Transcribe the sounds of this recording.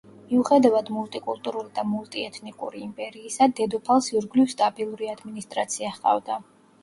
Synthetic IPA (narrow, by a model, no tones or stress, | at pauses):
miuχɛd̪avad̪mulˠt̪ʼikʼulˠt̪ʼuɾulid̪amulˠt̪ʼiɛt̪ʰnikʼṵɾiːmpʼɛɾiːsad̪ɛd̪ɔpʰalˠsiɾɡlifst̪ʼabʼilˠuɾiad̪minist̪ʼɾat̪sʰiaχqʼa̰vd̪a